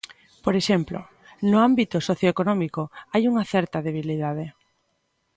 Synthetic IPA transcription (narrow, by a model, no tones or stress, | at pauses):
poɾeʃemplo̰ | nʊambit̪ʊsoθjoekonɔmikoajuŋɐθɛɾt̪ɐðeβ̞iliðað̞e